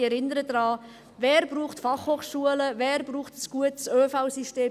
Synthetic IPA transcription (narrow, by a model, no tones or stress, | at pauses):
ɛɾɪnəɾəd̪ɾɑː | vɛːɾb̥ɾuːχtfɑχhoːχʃuələvɛːɾbɾuːχtəsɡ̥uətsøːfaʊsisteː